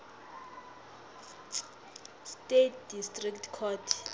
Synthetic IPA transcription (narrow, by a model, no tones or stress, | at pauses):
stetʰdistʼriktʰkʰɔtʰ